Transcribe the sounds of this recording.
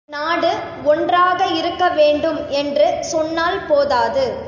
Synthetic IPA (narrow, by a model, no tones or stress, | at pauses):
naːɽɯ | ɔndraːɣɐɪɾɯkːɐʋeːɳɖɯmɛndrɯsɔnːaːlpoːðaːðɯ